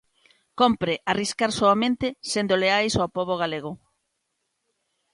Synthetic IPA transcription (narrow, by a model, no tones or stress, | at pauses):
kompɾɪʔariskaɾsoamẽnt̪ɪsend̪oleajsopoβoɣaleɣo